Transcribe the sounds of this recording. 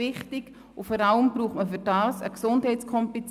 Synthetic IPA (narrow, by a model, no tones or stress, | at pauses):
ɪχtɪɡ | ʊfɔːɾaləmbɾuːχtməfʏɾd̥aːsə̰ksʊndhɛɪtt͡skʰɔmpit͡s